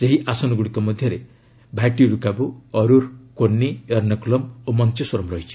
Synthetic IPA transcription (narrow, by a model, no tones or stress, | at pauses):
d͡ʒeɦiʔasɔnɔɡuɽikɔmɔd̪ʱjʌɾe | bʱaʈiɾukabuɔɾuɾkonːiʌɾnɔkulɔmomɔnt͡ʃiswɔɾɔmɾɔɦit͡ʃʰi̥